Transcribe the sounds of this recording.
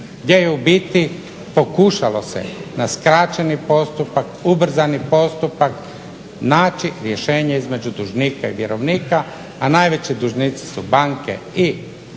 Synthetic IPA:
ɡd̪jejeubit̪i | po̞kuʃalo̞sḛnaskɾat͡ɕenipo̞st̪upakubr̩zanipo̞st̪upak | naːt͡ʃiɾje̞ʃeːɲaizme̞d͡ʒud̪uʒniːkaiʋjeɾoʋniːkaː | najʋe̞t͡ɕid̪uʒnit̪si̥subaŋkḛi

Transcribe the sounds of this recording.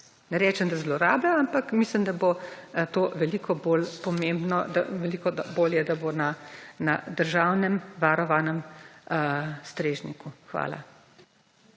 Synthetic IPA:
nɛɾɛːt͡ʃɛmd̪azlɔɾa̰ːblaampakmislimd̪abot̪oːʋɛlikɔbolpɔmembnɔd̪a̰ʋɛlikɔd̪aboːljɛd̪abonana̰d̪əɾʒaːwnɛmʋaɾɔʋaːnɛm | st̪ɾeːʒnḭkuxʋa̰ːla̰

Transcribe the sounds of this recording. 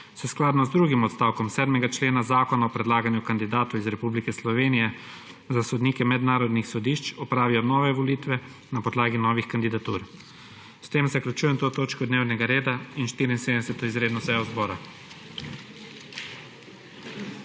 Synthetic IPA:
sɛsklaːd̪nɔzd̪ɾuɡimɔt̪st̪aːwkɔmsɛːd̪mɛɡat͡ʃleːnazaːkɔnaɔpɾɛd̪laːɡanjukand̪id̪aːt̪ɔizɾɛpublikɛslɔʋeːnijɛ | zasɔd̪nikɛmɛd̪naːɾɔd̪nixsɔd̪iʃt͡ʃɔpɾaːʋijɔnɔːʋɛʋɔliːt̪ʋɛ | napɔd̪laːɡinɔːʋixkand̪id̪at̪uːɾ | st̪eːmzaklʲut͡ʃuːjɛmt̪oːt̪oːt͡ʃkɔd̪neːwnɛɡaɾeːd̪ainʃt̪iɾiinsed̪ɛsɛt̪ɔizɾeːd̪nɔsɛjɔzbɔːɾa

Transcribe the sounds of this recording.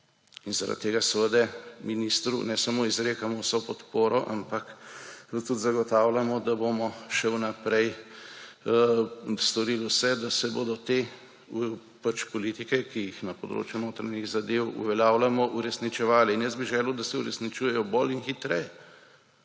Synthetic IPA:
inzaɾa̰t̪t̪ːeːɡasɛʋəd̪ɛminist̪ɾṵnɛsɐmoːizɾeːkamɔwsopɔt̪poːɾɔʔampɐk | t̪ut̪zaɡɔt̪aːwlamɔd̪abomɔʃɛwnapɾɛj | st̪ɔɾiːlwsɛd̪asɛbod̪ɔt̪e | pat͡ʃpɔliːt̪ikɛkijixnɐpɔd̪ɾo̰ːt͡ʃjunoːt̪ɾaɲiɣzad̪ewṵʋɛljaːwlamɔʔuɾɛsnit͡ʃɛʋaːliːnjəzbiʒɛːlwd̪asɛuɾɛsnit͡ʃuːjɛjɔbolinxit̪ɾɛjɛ

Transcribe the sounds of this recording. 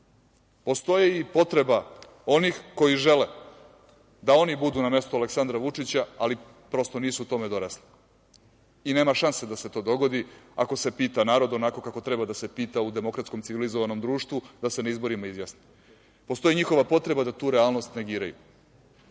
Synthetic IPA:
po̞st̪o̞jeipo̞t̪ɾeba | o̞nixko̞jiʒele | d̪ao̞nibud̪uːname̞st̪ualeksand̪ɾaʋut͡ʂit͡ɕaali | pɾo̞st̪o̞niːsuːt̪o̞med̪o̞ɾasli̥ | ine̞ːmaʃansed̪ase̞t̪o̞ːd̪o̞ɡo̞d̪ia̰ko̞se̞piːt̪anaːɾo̞d̪o̞nako̞kako̞t̪ɾebad̪ase̞piːt̪aud̪e̞mo̞kɾat̪sko̞mt̪siʋilizoʋano̞md̪ɾuːʃt̪ʋud̪ase̞naizbo̞ɾimaizjasni | post̪o̞jiɲixo̞ʋapo̞t̪ɾe̞bad̪at̪uːɾealˠno̞st̪ne̞ɡiːɾa̰jṵ

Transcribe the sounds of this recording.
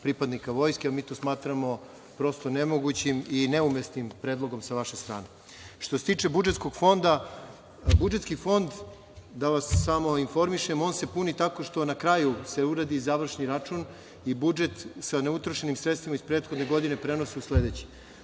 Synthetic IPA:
pɾipad̪nikaʋo̞ːjskeamiːt̪o̞ːsmaːt̪ɾamo̞ | pɾo̞st̪o̞ne̞mo̞ɡut͡ɕimine̞umesnimpɾeːd̪lˠo̞ɡo̞msaʋaʃest̪ɾa̰ːne̞ | ʃt̪oset̪iːt͡ʂe̞bud͡ʒet̪sko̞ɡ̥fo̞nd̪a | bud͡ʒe̞t̪skifo̞nd̪ | d̪aʋasːamo̞info̞ɾmiʃe̞mo̞nse̞punit̪ako̞ʃt̪o̞nakɾajuse̞uɾad̪izaʋr̩ʃniɾat͡ʃun | ibud͡ʒe̞t̪saneut̪ɾoʃe̞nimsɾet̪st̪ʋimaispɾeːt̪xo̞d̪ne̞ɡo̞d̪ine̞pɾe̞nosiusle̞d̪e̞t͡ɕi̥

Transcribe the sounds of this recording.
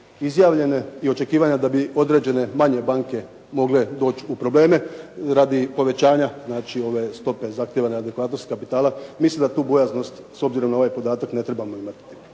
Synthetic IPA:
izjaːʋʎe̞neio̞t͡ʃe̞kiːʋaɲad̪abio̞d̪ɾe̞d͡ʑe̞ne̞maɲe̞baŋke̞ | mo̞ɡle̞d̪o̞ːt͡ʃupɾo̞ble̞ːme̞ɾad̪ipo̞ʋe̞t͡ʃaːɲaznaːt͡ʃio̞ʋe̞st̪o̞pe̞zaxt̪jeʋanead̪ekʋaːt̪no̞st̪kapit̪aːlamislimd̪at̪uːbo̞jazno̞st̪so̞bziɾo̞mnao̞ʋajpo̞d̪aːt̪akne̞t̪ɾe̞bamo̞imat̪i

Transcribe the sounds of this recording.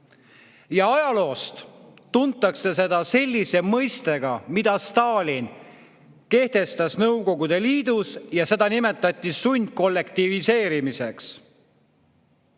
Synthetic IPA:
jɑɑjɑlo̞ːst̪t̪ːunt̪ːˑɑkse̞se̞d̪̥ɑse̞lʲːise̞mɤjst̪e̞ɡ̥ɑmid̪̥ɑst̪ɑːlʲin | ke̞ht̪e̞st̪ɑsnɤwko̞ɡud̪e̞liːd̪usjɑse̞d̪ɑnime̞t̪ːˑɑt̪ʲːˑisunʲd̪̚ko̞lːe̞kt̪ivise̞ːɾimise̞ks

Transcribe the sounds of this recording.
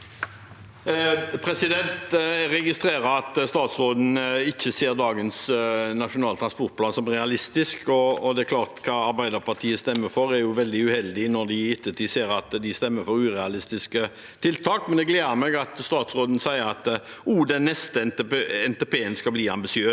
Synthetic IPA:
pʰɾɛsɪd̪ɛnt̪ɾɛɡɪst̪ɾeːɾɑɑt̪st̪ɑːt̪sɾoːd̪n̩ɪçːəseːɾd̪ɑːɡənsnɑʂʊnɑːlt̪ʰɾɑnspɔɾt̪̚pʰlɑːnsɔmʁɛɑlɪst̪ɪskɔːd̪ɛækʰlɑːʁt̪kʰɑːɑɾbæɪd̪əɾpɑʁt̪ʰiːəst̪ɛmːəfɔɾæɾjʊʋɛld̪ɪʉhɛld̪ɪnɔɾd̪ɪɪt̪ʰːət̪ʰiːseːɾɑt̪d̪ɪst̪ɛmːəfɔɾʉːɾɛɑlɪst̪ɪskə | t̪ʰɪlt̪ʰɑːkmɛnd̪ɛɡleːd̪əɾmɛɡɑt̪st̪ɑːt̪sʁoːd̪n̩sæɪəɾɑt̪ | uːd̪ɛnːɛst̪əɛnt̪ɛpeːənskɑbliːɑmbɪsɪøː

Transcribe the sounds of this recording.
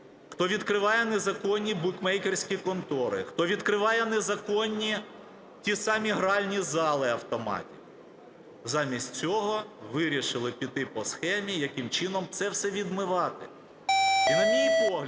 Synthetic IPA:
xt̪ɔʋʲid̪kɾɪʋɑjɛnezɐkɔnʲːibukmɛjkersʲkʲikɔnt̪ɔɾɪ̰xt̪ɔʋʲid̪kɾɪʋɑjɛnezɐkɔnʲːi | tʲisɑmʲiɦɾɑlʲnʲizɑlˠɪɐwt̪ɔmɑ̰tʲiw | zɑmʲisʲtʲt͡sʲɔɦɔʋɪɾʲiʃɪlˠɪpʲit̪ɪpɔsxɛmʲijɐkɪmt͡ʃɪnɔmt̪sɛwsɛʋʲid̪mɪʋɑt̪ɪ | inɐmʲijpɔɦlʲ

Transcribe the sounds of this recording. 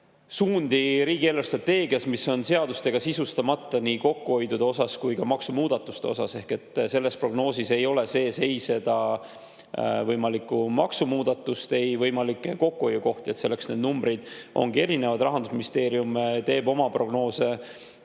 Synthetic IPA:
suːnd̪iɾiːɡ̥ielːerst̪rɑt̪ːe̞ːɡ̥iɑsmiso̞nse̞ɑd̪ust̪e̞ɡ̥ɑsisust̪ɑmɑt̪ːˑɑniko̞kːuo̞jd̪ud̪̥eo̞sɑskujkɑmɑksumuːd̪̥ɑt̪ːˑu̥st̪e̞o̞̰sɑse̞hke̞t̪ːˑse̞lːe̞spro̞ɡ̥no̞ːsise̞jo̞le̞se̞ːse̞jse̞d̪̥ɑ | vɤjmɑlikːumɑ̰ksumuːd̪ɑt̪ːˑust̪e̞jvɤjmɑlikːˑeko̞kːuo̞jːuko̞ht̪ie̞t̪se̞lːe̞ksne̞d̪numbɾid̪̥ʔo̞̰ŋɡie̞ɾine̞vɑd̪rɑɦɑnd̪usminist̪e̞ːɾiumt̪e̞ːbo̞mɑpro̞ɡ̥no̞ːse̞

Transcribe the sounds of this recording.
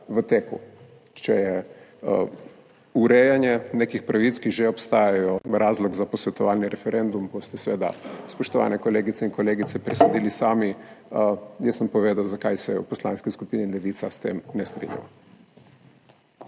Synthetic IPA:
ʋət̪eːku | t͡ʃɛjɛ | uɾɛjanjɛnekixpɾaʋit̪skiʒɛɔpst̪aːjajɔɾaːzlɔɡzapɔsʋɛt̪ɔʋaːlniɾɛfɛɾʔend̪umbost̪ɛsʋḛːd̪a̰spɔʃt̪ɔʋa̰ːnɛkɔleːɡit̪sɛinkɔleːɡit̪sɛpɾɛsod̪iːlisaːmi | jɛsəmpɔʋeːd̪awzakajsɛṵpɔsla̰ːnskiskupinilɛʋiːt̪sast̪ḛːmnɛst̪ɾḭnja̰wa

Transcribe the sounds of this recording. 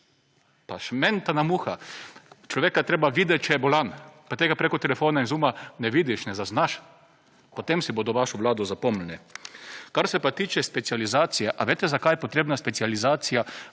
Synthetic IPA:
paʃmɛnt̪anamuxa | t͡ʃlɔʋeːkat̪ɾeːbaʋiːd̪ɛt͡ʃɛjɛbolanpat̪eːɡapɾekot̪ɛlɛfoːnainzuːmanɛʋiːd̪iʃnɛzaznaʃ | pot̪emsiboːd̪ɔʋaʃɔʋlaːd̪ɔzapomlɛnɛ | kaɾsɛpat̪iːt͡ʃɛspɛt̪sializaːt̪sijɛʔaʋeːt̪ɛzakajɛpot̪ɾeːbnaspɛsializaːt̪sija

